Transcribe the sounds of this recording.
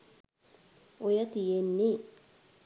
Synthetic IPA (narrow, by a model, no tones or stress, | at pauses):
ojat̪ijenːi